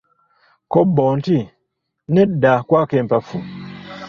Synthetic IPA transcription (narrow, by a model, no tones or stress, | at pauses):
kɔbɔnti | nɛdakwakɛmpafu